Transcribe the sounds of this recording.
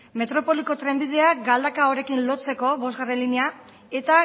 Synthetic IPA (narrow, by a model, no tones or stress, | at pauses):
me̞t̪ɾo̞po̞liko̞t̪ɾe̞mbið̞e̞aɡald̪akao̞ɾe̞kinlo̞t͡se̞ko̞βo̞zɣare̞nlinia | e̞t̪a